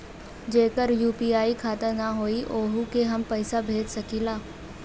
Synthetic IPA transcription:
d͡ʑeːkəɾjuːpiːaːikʰaːt̪ənaɦoːiʔoːɦukeɦɐmpɐɪsabʱeːd͡ʒsɐkʰiːlaː

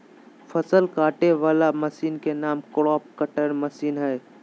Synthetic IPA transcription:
fʰəsəlkaːʈeʋaːlaməsiːnkenaːmkɽɔːp̚kəʈəɾməsiːnɦɛː

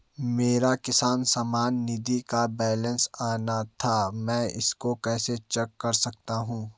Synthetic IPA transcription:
meːɾakɪsaːnsaːmaːnːɪd̪ikabɛːlə̃nsaːnat̪ʰamɛ̃ːɪ̰skokɛːset͡ʃɐkːɐɾsɐk̚t̪aɦũː

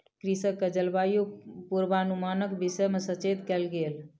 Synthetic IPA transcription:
kɾisəkːəd͡ʒəlbajopuɾbanumanəkbisəjmesət͡ʃed̪kɛlɡel

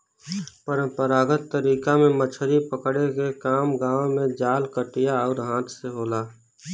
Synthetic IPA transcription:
pəɾə̃mpəɾaːɡət̪ːəɾiːkamẽmət͡ʃʰɾipəkɽekekaːmɡãːmẽd͡ʒaːlkəʈɪjaɔːɾɦãːt̪ʰseɦoːlaː

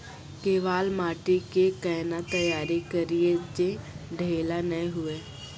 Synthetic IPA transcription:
keːʋaːlmaːʈikekɛːnat̪əjaːɾikɐɾied͡ʒeɖʱeːlanəẽɦʊeː

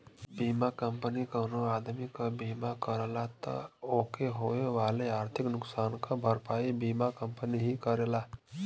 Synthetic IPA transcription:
biːmakə̃mpənikənoaːd̪mikabiːmakəɾlat̪ə̰oːkeɦoːeʋaːleaːɾt̪ʰɪknʊksaːnkabʱəɾpaːibiːmakə̃mpəniɦikəɾelaː

